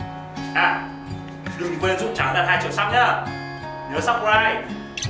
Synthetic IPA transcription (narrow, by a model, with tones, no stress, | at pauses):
ʔaː˧˩ | ɗɨ˨˩ŋkwe˧nzʊ̰˧˥t͡ɕaː˨˦zaː˧˩nhaː˧jt͡ɕi˧˨wsa˦˥p̚ɲaː˧˩ | ɲəː˨˦sa˦˥p̚ɾaː˧˩j